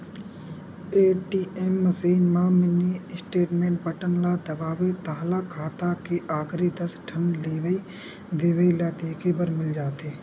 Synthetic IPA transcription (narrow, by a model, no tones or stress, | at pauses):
eːʈiːeːmːəsiːnmãːmɪniɪsʈeːʈmẽːɳʈ̚bəʈənlad̪əʋaːʋet̪aɦlakʰaːt̪akeʔaːɡɾid̪əsʈʰənleːʋi | d̪eːʋəilaːd̪eːkʰebəɾmɪld͡ʒaːt̪eː